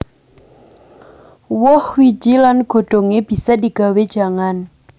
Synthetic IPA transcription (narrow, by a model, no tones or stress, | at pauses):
wʊhwi̥d͡ʒ̥ilanɡ̥o̤ɖ̥o̤ŋeb̥i̤sadiɡ̥a̤wed̥ʒ̥a̤ŋan